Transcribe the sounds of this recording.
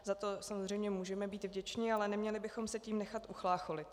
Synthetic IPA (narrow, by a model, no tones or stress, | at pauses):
zat̪o̞samozrɛjmɲɛmuːʒɛmɛbiːt̪vɟɛt͡ʃɲɪalɛnɛmɲɛlɪbɪxo̞msɛciːmnɛxat̪ʔuxlaːxo̞lɪt̪